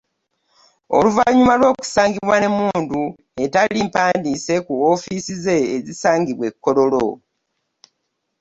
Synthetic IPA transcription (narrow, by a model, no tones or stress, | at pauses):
o̰luvaɲumalwo̞ːku̥saːŋɡiβwane̞muːndu | e̞talimpaːndise̞kuofisize̞ːzisaːŋɡiβwe̞kːo̞lo̞lo̰